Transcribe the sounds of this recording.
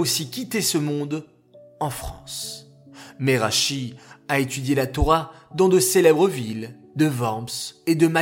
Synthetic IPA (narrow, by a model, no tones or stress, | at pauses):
osikʲit̪esəmɔ̃d̪ | ɑ̃fχɑ̰̃s | meʁaʃiaet̪yd̪jelat̪ɔʁa | d̪ɑ̃d̪əselɛbʁəvil | d̪əvɑ̃bsed̪əma